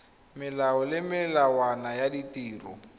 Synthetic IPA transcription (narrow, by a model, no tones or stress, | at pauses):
mɪlaɔlɪmɪlawanajaditiːrɔ̰